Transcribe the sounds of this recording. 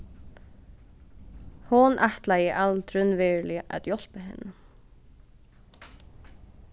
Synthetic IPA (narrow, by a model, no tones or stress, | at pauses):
hʊnʔaht̪lajəʔalt̪ʰɾʏnvɛːɹlɪʔæ̰t̪jɔl̥pəɦɛnːə